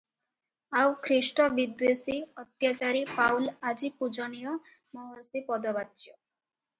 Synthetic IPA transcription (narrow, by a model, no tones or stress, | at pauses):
awkʰɾisʈɔbid̪wesiɔt̪jat͡ʃaɾipawlad͡ʒipud͡ʒɔnijɔ | mɔɦɔɾsipɔd̪ɔbatːjɔ